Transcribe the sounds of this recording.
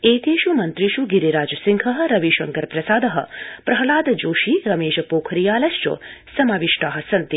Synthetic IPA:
eːt̪ʰeːʃumɐnt̪ɾiʃuɡiɾiɾaːd͡ʒɐsiŋkʰɐɦɐ̆ɾɐʋiʃɐŋkɐɾpɾɐsaːd̪ɐɦɐ̰pɾɐɦɐlaːd̪ɐd͡ʒoːʃiːɾɐmeːʃɐpoːkʰɾijaːlɐst͡ʃo̰ːsɐmaːʋiʃʈaːɦɐ̆sɐnt̪i

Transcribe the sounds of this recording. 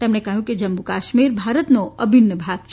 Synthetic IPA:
t̪ɛːmnekɐɦjũkid͡ʒɐmbukaːʃmiːɾbʱaːɾət̪noʔɐbʱɪnːəbʱaːɡ̚t͡ʃʰ

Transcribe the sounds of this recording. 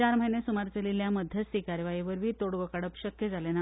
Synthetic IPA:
aɾməɦinesumaɾt͡səliljaməd̪ʱjəsikaɾjʋaiʋəɾʋiːt̪oɽɡokaɽəpɕəkjed͡zʱalena

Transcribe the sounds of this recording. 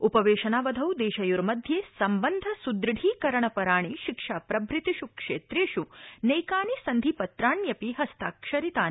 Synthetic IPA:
upɐʋeːʃɐnaːʋɐd̪ʱɐwd̪eːʃɐjuɾmɐd̪ʱjeːsɐmbɐnd̪ʱɐsud̪ɾɽʱiːkɐɾɐɳɐpɐɾaːɳ̃iʃikʂaːpɾɐbɾit̪iʃukʂeːt̪ɾeːʃunɐjkaːnisɐnd̪ʱipɐt̪ɾaːɳjɐpiɦɐst̪aːkʃɐɾit̪aː

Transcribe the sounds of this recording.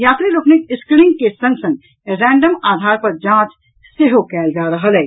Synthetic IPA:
jaːt̪ɾiloknikɪsknɪ̃ŋɡkesə̃ŋɡsə̃ŋɡ̚ | ɾɛ̃ːɳɖəmaːd̪ʱaːɾpəɾd͡ʒãːt͡ʃ | seɦokɛːld͡ʒaːɾəɦəlɦɛː

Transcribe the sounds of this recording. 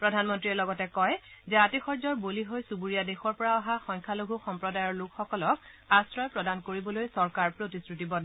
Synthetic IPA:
pɹɔdʱanmɔntɹiɛlɔɡɔtɛkɔjzɛatixɔɹzɔɹboliɦojsubuɹijadexɔɹpɔɹaaɦaxɔŋkʰaloɡʱuxɔmpɹɔdajɔɹlukxɔkɔlɔk̚asɹɔjpɹɔdankoɹibɔlojsɔɹkaɹpɹotisɹitibɔd

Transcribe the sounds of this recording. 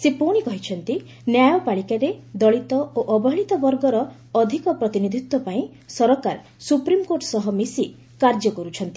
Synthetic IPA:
sepoɽ̃ikɔɦit͡ʃʰɔnt̪i | njajɔpaɭikaɾed̪ɔɭit̪ɔoʔɔbɔɦɭit̪ɔbɔɾɡɔɾɔː | d̪ʱikɔpɾɔt̪inid̪ʱit̪wɔpaĩ | sɔɾɔkaɾ | supɾimkoɾʈsɔɦɔmisi | kaɾd͡ʒɔkɔɾut͡ʃʰɔnt̪i

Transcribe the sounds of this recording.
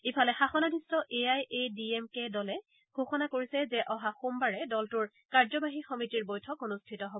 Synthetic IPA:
ipʰalɛxaxɔnadʱistɔʔeajediemkedɔlɛ | ɡ̥ʱoxɔnakoɹisɛzɛʔɔɦaxumbaɹɛdɔltʊɹ | kaɹzɔbaɦixɔmitiɹbojtʰɔkonustʰitɔɦob

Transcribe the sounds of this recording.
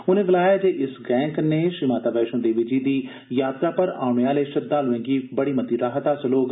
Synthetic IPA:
ʊnẽːʋɪlaːjaːd͡ʒeːʔɪsɡɛ̃ːŋkneːʃɾimaːt̪aːbɛːʃõːd̪eːʋid͡ʒiːd̪iː | jaːt̪ɾaːpəɾa̰ːɳeaːleːʃəd̪aːloʋẽːɡiːbəɽiːmət̪iːɾaːɦət̪aːt͡ʃəloːk

